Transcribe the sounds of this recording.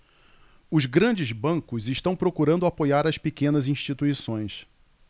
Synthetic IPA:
ʊzɡɾɐ̃d͡ʒɪzbɐ̃ŋkʊzɪʃt̪ɐ̃w̃pɾokuɾɐ̃nd̪ʊapojaɾɐspekẽnɐzĩʃt͡ʃit̪uisõj̃s

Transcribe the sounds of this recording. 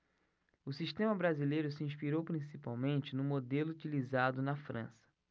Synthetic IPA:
ʊsiʃt̪ẽmɐbɾazilejɾʊsɪĩspiɾowpɾĩsipa̰wmẽnt͡ʃɪnʊ̃mod̪elʊut͡ʃilizad̪ʊnɐfɾɐ̰̃sɐ̥

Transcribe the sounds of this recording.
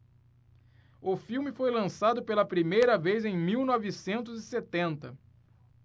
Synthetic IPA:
ʊfiwmɪfojlɐ̃sad̪ʊpelɐpɾimejɾɐvejzẽj̃miwnɔvɪsẽnt̪ʊzɪset̪ẽnt̪ɐ

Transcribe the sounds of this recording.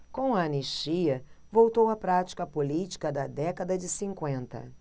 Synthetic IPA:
kõw̃ɐɐneʃt͡ʃiɐvowt̪owɐpɾat͡ʃi̥kɐpolit͡ʃi̥kɐd̪ɐd̪ɛkɐd̪ɐd͡ʒɪsĩŋkwẽnt̪ɐ̰

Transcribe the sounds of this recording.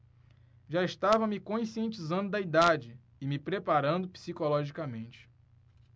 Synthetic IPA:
ʒaiʃt̪avɐmɪkõĩsiẽnt͡ʃizɐ̃nd̪ʊd̪ɐid̪ad͡ʒɪː | mɪpɾepaɾɐ̃nd̪ʊpi̥sikolɔʒikɐmẽnt͡ʃɪ̥

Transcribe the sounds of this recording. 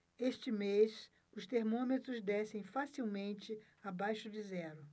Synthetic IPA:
eʃt͡ʃɪmes | ʊst̪eɾmõmet̪ɾʊzd̪ɛsẽj̃fasiwmẽnt͡ʃɪ | abajʃʊd͡ʒɪzɛɾʊ

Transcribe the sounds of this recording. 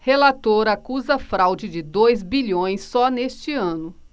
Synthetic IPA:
helat̪oɾɐakuzɐfɾawd͡ʒɪd͡ʒɪd̪ojzbiʎõj̃sːɔnest͡ʃɪɐ̃nʊ

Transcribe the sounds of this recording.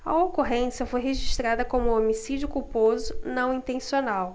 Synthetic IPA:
ɐ̰okoɦẽsɐfojɦeʒiʃt̪ɾad̪ɐkõmʊomisid͡ʒʊkupozʊnɐ̃w̃ĩnt̪ẽsionaw

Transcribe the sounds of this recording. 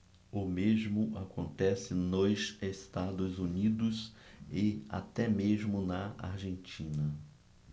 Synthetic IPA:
ʊmezmʊʔakõnt̪ɛsɪnʊzest̪ad̪ʊzunid̪ʊsɪa̰t̪ɛmeʒmʊnɐa̰ɾʒẽnt͡ʃĩnɐ

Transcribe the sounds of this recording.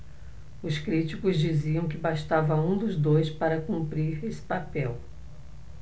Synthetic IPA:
ʊskɾit͡ʃikʊzd͡ʒiziɐ̃w̃kɪbaʃt̪avɐũd̪ʊzd̪ojspaɾɐkũmpɾiɾesɪ̥papɛw

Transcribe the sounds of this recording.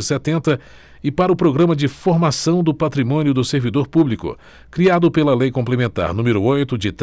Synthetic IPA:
sɛt̪ẽnt̪ɐ | ɪpaɾɐʊpɾoɡɾɐ̃mɐd͡ʒɪfoɾmasɐ̃w̃d̪ʊpat̪ɾimõnjʊd̪ʊseɾvid̪oɾpublikʊ̰ | kɾiad̪ʊpelɐlejkõplemẽnt̪a̰ɾnũmeɾʊojt̪ʊd͡ʒɪt̪

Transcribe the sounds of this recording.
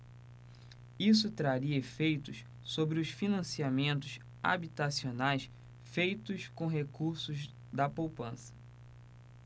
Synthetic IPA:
isʊt̪ɾaɾiɐefejt̪ʊs | sobɾɪʊsfinɐ̃siamẽnt̪ʊʃ | a̰bit̪asionajs | fejt̪ʊskõɦekuɾsʊz | d̪ɐpowpɐ̃sɐ̥

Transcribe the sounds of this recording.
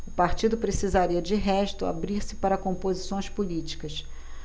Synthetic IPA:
ʊpaɾt͡ʃid̪ʊpɾesizaɾiɐd͡ʒɪɦɛʃt̪ʊa̰bɾiɾsɪ̥paɾɐkõpozisõj̃spulit͡ʃi̥kɐs

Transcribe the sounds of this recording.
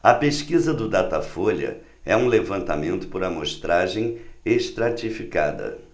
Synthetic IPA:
ɐpeʃkizɐd̪ʊd̪at̪afolɐ̰ | ɛũlevɐ̃nt̪amẽnt̪ʊ̥poɾɐmoʃt̪ɾaʒẽj̃eʃt̪ɾat͡ʃifikad̪ɐ̰

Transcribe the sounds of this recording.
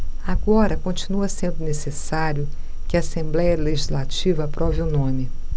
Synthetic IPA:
aɡɔɾɐkõt͡ʃinuɐsẽnd̪ʊnesesaɾjʊ | kɪɐːsẽmblɛjɐleʒizlat͡ʃivɐapɾɔvɪunõmɪ

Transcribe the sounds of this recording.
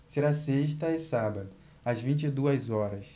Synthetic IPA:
seɾaseʃt̪ɐɪsabɐd̪ʊ | ɐzvĩnt͡ʃid̪uɐzɔɾɐs

